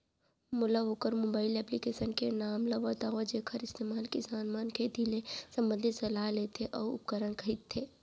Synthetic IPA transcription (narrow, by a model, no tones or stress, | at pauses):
mʊlaʋokəɾmoːbaːɪlɛːplikeːʃənkenaːmlɐʋɐt̪aːʋəd͡ʒeːkʰəɾɪst̪eːmaːlkisaːnmaːnkʰed̪ʱilesɐ̃mbə̃nd̪ʱɪsɐlaːɦleːt̪ʰeʔɔːɾʊ̰p̚kəɾənkʰəit̪ʰːeː